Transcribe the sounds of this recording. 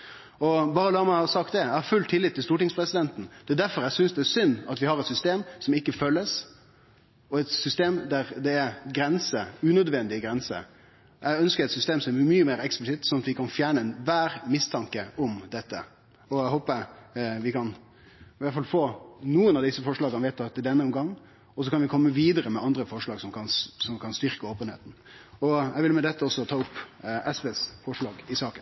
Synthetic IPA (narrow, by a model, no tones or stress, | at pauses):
ɔbɑːɾəlæːɾmæɪɑsɑkt̪d̪ɛæhɑɾfʉlt̪ʰɪlːɪt̪ʰːɪlst̪uːʈɪŋspʰɾɛsɪd̪ɛnt̪n̩d̪̥ɛd̪æɾfɔɾæɪsʏnsd̪ɛæsʏnːɑt̪ʋɪhɑɾɛt̪sʏst̪eːmsɔmɪkːəføːlːəs | ɔɛt̪sʏst̪eːmd̪æɾd̪ɛæɾɡɾɛnsəʉːnœd̪ʋɛnd̪ɪɡɾɛnsə̰ | ʔæɪœnskəɾɛt̪sʏst̪eːmsɔmɛmyːəmeːɾɛksplɪsɪt̪sɔnɑt̪ʋɪkʰɑnfjæːɳəɛnʋæːɾmɪst̪ʰɑŋkəɔmd̪ɛt̪ːə̰ | ɔæɦoːpəʋɪkʰɑn | ʋæɾt̪fɑlfoːnuːənɑʋd̪ɪsːəfɔʂɭɑːɡɑnʋɛɪt̪ːɑt̪ːɛd̪ɛnːəɔmɡɑŋː | ɔs̬ɔkʰɑnʋɪkʰɔmːəʋiːd̪əɾəmɛʔɑnd̪ɾəfɔʂɭɑːɡsɔmkʰɑnsɔmkʰɑnst̪ʏɾkəoːpənhḛːt̪n̩ɔæɡʋɪlmɛd̪ɛt̪ːəɔsːɔt̪ʰɑːʊpːɛsʋeːsfɔʂɭɑːɡɪsɑːkən